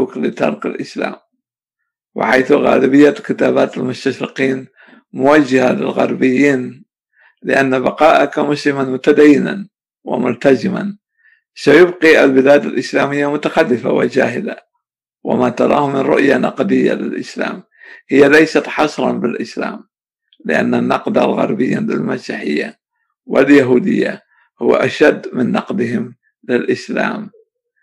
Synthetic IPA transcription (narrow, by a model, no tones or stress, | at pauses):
uːklɪt̪ɑɾˤkɪ̰lʔɪsla̰ːm | wɪ̰ħajθɣa̰ːlɪbɪjːakɪt̪aːbaːt̪almʊst̪aʃɾɪqiːn | mʊwad͡ʒːahalɪ̰lɣɑ̰ɾˤbɪjːiːn | lɪ̰ʔanːabɑqɑːʔakamʊslɪmanmʊt̪ad̪ajːɪna̰n | wɪ̰mʊlt̪azɪma̰n | sajʊbqiʔalbɪlaːd̪alʔɪslaːmɪjːamʊt̪axalːɪfa̰wɪ̰d͡ʒaːɦɪla | wa̰mat̪ɑɾˤɑ̰ːhʊmɪnɾʊʔjanɑqd̪ɪjːa̰lɪlʔɪsla̰ːm | hɪjːalajsat̪ħɑsˤɾˤɑ̰nbɪlʔɪsla̰ːm | lɪʔa̰nːanːɑqd̪alɣɑ̰ɾˤbɪjːalɪ̰lmasiːħɪjːa | wɪljaɦuːd̪ɪ̰jːa̰ | hʊwːa̰ʔaʃad̪ːmɪnːɑqd̪ɪɦɪm | lɪlʔɪsla̰ːm